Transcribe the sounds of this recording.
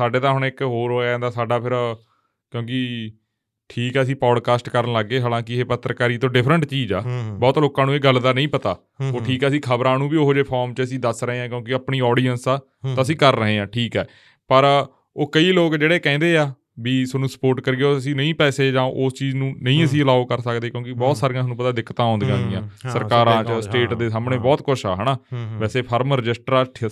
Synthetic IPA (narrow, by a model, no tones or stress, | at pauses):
saːɖeːt̪aːɦʊɳɪkɦoːɾɦoːãːnd̪aːsaːɖaːpʰɪɾ | kjõːkɪ | ʈʰiːkɛːəs̬ĩːpɔːɖkaːsʈkəɾənləɡːeːɦaːlãːkɪeːpət̪ːɾəkaːɾiːt̪õːɖɪpʰɾəɳʈt͡ʃiːd͡ʒa̰ːbɔːt̪loːkãːnũːeːɡəlːd̪aːnə̃ĩːpət̪a̰ː | oːʈʰiːkɛːəsĩːkʰəbɾãːnũːbiːoːɦd͡ʒeːpʰɔːɾmt͡ʃəəsĩːd̪əsɾəɦeːãːkjõːkɪəpɳiːɔːɖiːənsaː | t̪aːəsĩːkəɾːəɦeːãːʈʰiːkɛː | pəɾ | oːkəiːloːkd͡ʒeːɽeːkɛ̃ːnd̪eːaː | biːsənũːsə̥poːɾʈkəɾɡeːoəsĩːnəĩːpɛːseːd͡ʒãːʔoːst͡ʃiːznũːnəĩːəsĩːəlaːokəɾsəkd̪eːkjõːkibɔːt̪saːɾijãsnũːpət̪aːd̪ɪkʰːt̪ãːɦɔ̃ːnd̪ɡãːɡɪjãːsəɾkaːɾãːt͡ʃəsʈeːʈd̪eːsaːmɳeːbɔːt̪kʊʃa̰ːɦɛːnaːʋɛːseːpʰəɾmɾɪd͡ʒɪsʈɾaːʈʰ